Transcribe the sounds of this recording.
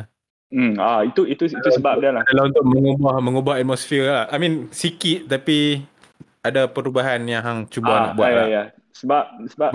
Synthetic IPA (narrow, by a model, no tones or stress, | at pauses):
m̩ait̪uit̪uit̪usəbap̚danladalahunt̪ʊk̚məŋubahmə̃ŋubahat̪̚mɔsfiəlahajmĩnsikit̪̚t̪api | adapəɾubaɦanjaŋɦaŋt͡ʃubana̰buajaja | səbap̚səba